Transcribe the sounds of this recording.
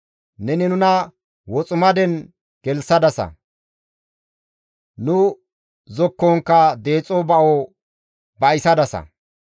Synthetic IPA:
nɛnɪnʊnɐ | wɔt͡sʼʊmɐd̪ɛn | ɡ̥ɛlsɐd̪ɐsɐ̰ | nʊ | zɔkːɔŋkːɐd̪e̞ːt͡sʼɔbɐʔo | bɐjɪsɐd̪ɐsɐ̰

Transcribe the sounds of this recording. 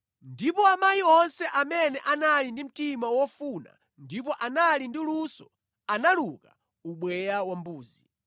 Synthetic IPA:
ndipɔamajiɔnsɛʔamɛnɛʔanalindim̩timawɔfuna̰ | ndipɔʔanalindilusɔ | analuka̰ | uɓwɛjawambuːzi

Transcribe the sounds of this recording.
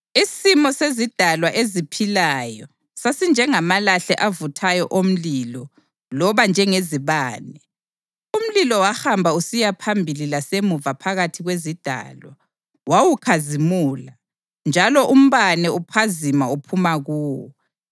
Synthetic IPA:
isimɔsezid̥ʱalwaʔezipʰilajɔ | sasind͡ʒʱɛŋamalaɬɛʔavutʰajɔʔom̩lilɔ | lɔβand͡ʒʱɛŋeziβaːnɛ | um̩lilɔwaxambʱausijapʰambʱililasemuvapʰaɣatʰiɣwezid̥ʱa̰ːlwa | wawukʰazimuːla | nd͡ʒʱalɔʔum̩βanɛupʰazimaupʰumaɣuːwɔ̰

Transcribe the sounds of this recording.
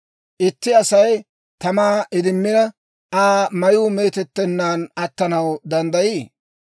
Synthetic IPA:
ʔɪt̪ːɪɐsɐj | t̪ɐmaːʔɪd̪ɪmːɪnɐ | ʔaːmɐjuːme̞ːt̪ɛt̪ːɛnːaːnɐt̪ːɐnɐwd̪ɐnd̪ɐjiː

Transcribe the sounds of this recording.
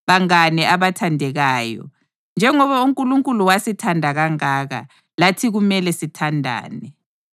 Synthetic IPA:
βaŋanɛaβatʰandʱɛɣaːjɔ̰ | nd͡ʒʱɛŋɔβauŋkʼuluŋkʼuluwasitʰandʱaɣaŋaːɣa̰ | latʰiɣumɛlɛsitʰandʱa̰ːnɛ

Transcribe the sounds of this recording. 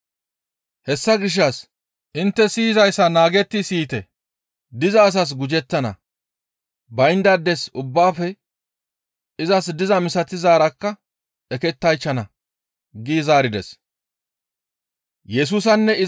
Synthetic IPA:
hɛsːɐɡɪʃ̬ːɐs | ʔɪnt̪ːɛsiːzɐjsːɐnaːɡɛt̪ːɪsiːt̪ɛ | d̪ɪzɐːs̬ɐs̬ɡʊd͡ʒɛt̪ːɐnɐ̰ | bɐjnd̪ɐd̪ːɛsʊbːaːfɛ | ɪzɐsd̪ɪzɐmɪsɐt̪ɪzaːɾɐkːɐ | ɛkɛt̪ːɐjt͡ʃːɐnɐ | ɡiːzaːɾɪd̪ɛs | jɛs̬uːs̬ɐnːɛɪ

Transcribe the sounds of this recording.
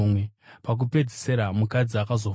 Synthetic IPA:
mwepak̬upe̞d͡zise̞ɾamukad͡ziakazo̞

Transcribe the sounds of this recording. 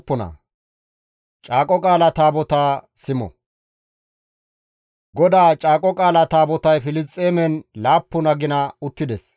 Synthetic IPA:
pːɔnɐ̰ | t͡ʃʼaːkʼɔkʼaːlɐt̪aːbɔt̪aː | sɪmɔ̰ | ɡɔd̪aːt͡ʃʼaːkʼɔkʼaːlɐt̪aːbɔt̪ɐjfɪlɪst̪ʼːeːmɛnlaːpːʊnɐɡɪnɐʊt̪ːɪd̪ɛs

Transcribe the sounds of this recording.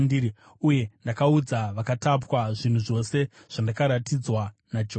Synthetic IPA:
ndiːɾi | uje̞ndakaud͡zaʋakatapwaʐin̤uʐo̞se̞ | ʐ̥andakaɾatid͡zwanad͡ʒo

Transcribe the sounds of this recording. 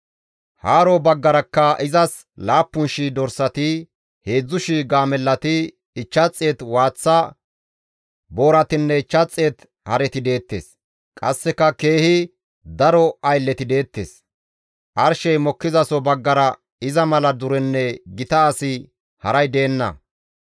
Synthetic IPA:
haːɾɔbɐɡːɐɾɐkːɐɪzɐs | laːpːʊnʃɪd̪ɔɾsɐt̪ɪ | he̞ːd͡zːʊʃiɡaːmɛlːɐt̪ɪː | t͡ʃːɐt͡sʼːeːt̪waːt͡sːa | bo̞ːɾɐt̪ɪnːɛɪt͡ʃːɐt͡sʼːeːt̪ | hɐɾɛt̪ɪd̪e̞ːt̪ːe̞̰ːs | kʼɐsːɛkɐke̞ːhɪ | d̪ɐɾɔɐjlːɛt̪ɪd̪e̞ːt̪ːḛːs | ʔɐɾʃɛjmɔkːɪzɐsɔbɐɡːɐɾɐ | ɪzɐmɐlɐd̪ʊɾɛnːɛɡɪt̪ɐːsɪ | hɐɾɐjd̪e̞ːnːɐ̰

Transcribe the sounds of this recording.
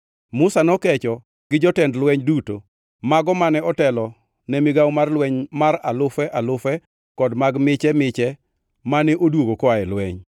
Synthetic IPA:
mʊsanɔkɛt͡ʃɔ | ɡ̥ɪd͡ʒɔtɛndlwɛɲduto | maɡɔmanɛɔtɛlɔ | nɛmɪɡawmarlwɛɲmaɾalʊfɛʔalʊfɛ | kɔdmaɡmɪt͡ʃɛmɪt͡ʃɛ | manɛʔodwoɡokɔaɛlwɛɲ

